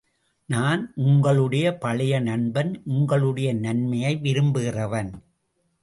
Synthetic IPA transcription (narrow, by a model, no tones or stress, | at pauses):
naːnʔʊŋɡɐɭɯɽɐjɐpɐɭɪjɐnɐnbɐnʔʊŋɡɐɭɯɽɐjɐnɐnmɐjɐɪʋɪɾɯmbɯɣɪrɐʋɐn